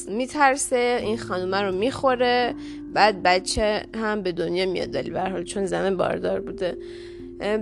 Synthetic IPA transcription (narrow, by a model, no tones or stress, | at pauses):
miːt̪ʰæɾseinxɒnd̪umæɾomixoɾe | bæːd̪̚bæt͡ʃʰːehæmbe̞d̪onjɒːmijɒ̰d̪̚d̪ɒ̰lḭbæɾɦɒːlt͡ʃʰonzæminbɒ̰ːɾd̪ɒːɾbuːd̪e